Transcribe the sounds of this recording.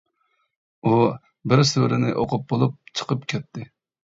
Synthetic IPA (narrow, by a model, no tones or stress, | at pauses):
u | bɪɾsøɾɪnɪʔoqʰʊp̚bolˠup̚t͡ʃʰə̥qʰəpkʲʰɛt̪ʰːɪ